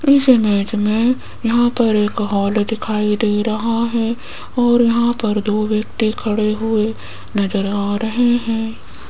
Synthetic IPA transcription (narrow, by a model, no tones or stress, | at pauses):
ɪsemɛːd͡ʒmẽ | jɐɦãpɐɾeːkɦɔːld̪ɪkʰaːid̪eːɾɐɦaɦɛː | ɔːɾjɐɦãpɐɾd̪oːʋjɐk̚t̪ikʰɐɽeɦʊe | nɐzəɾaːɾɐɦeɦɛ̃ː